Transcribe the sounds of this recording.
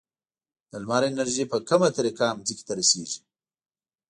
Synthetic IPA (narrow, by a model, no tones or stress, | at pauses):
d̪əlmɑɾenaɾʒipəkamat̪aɾikamziki̥t̪aɾaseʒi